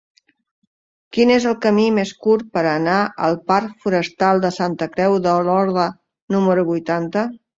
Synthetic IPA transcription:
kinezəlˠkəmimeskuɾpəɾənaʔə̰lˠpaɾfuɾəst̪alˠd̪əsant̪əkɾɛwðəlɔɾðə | numəɾuβujt̪ant̪ə

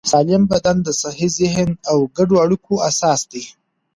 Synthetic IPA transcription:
sɑlɪmbad̪and̪əsahizɪɦnawɡaɖoaɽikʰoasɑːsd̪ej

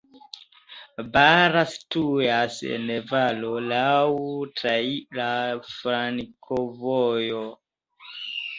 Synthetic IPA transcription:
baɾastujasḛnːevalolawtɾailafɾaŋkʰovojo

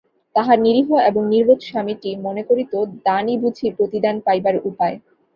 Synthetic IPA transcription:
t̪aɦaɾniɾiɦoeboŋniɾbot̪ʃamiʈimonekoɾit̪od̪anibud͡ʑʱiɾpɾot̪id̪anpajbaɾupae

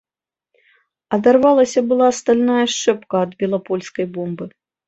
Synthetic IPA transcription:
ɐd̪arvalˠɐsʲɐbɨlˠast̪alʲnajɐʂt͡ʂɛpkɐːd̪bʲɛlˠapɔlʲskɐjbɔmbɨ

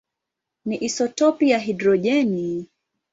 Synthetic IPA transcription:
niʔisɔtɔpijaɦidɾɔʄɛni

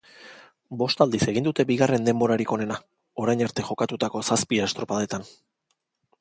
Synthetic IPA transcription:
bo̞st̪ald̪ise̞ɣind̪ut̪e̞biɣare̞nd̪e̞mbo̞ɾaɾiko̞ne̞na | o̞ɾajɲaɾt̪e̞ʝo̞kat̪ut̪ako̞saspiest̪ɾo̞paðe̞t̪an

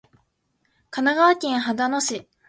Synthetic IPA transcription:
kanaɡaːkʲẽɰ̃ɦad̪ano̞ɕi

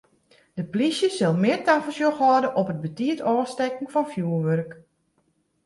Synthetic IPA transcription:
d̥əplisjəsɪlˠmɪərtafəlˠsjoxʋɔdəʔɔpət̚bətiətʰɔːstɛkn̩fɔnfjuːərʋørk

